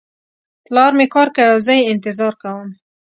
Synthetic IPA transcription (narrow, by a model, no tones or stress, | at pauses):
plɑɾmekɑɾkawawzajeɪnt̪ɪzɑɾkawəm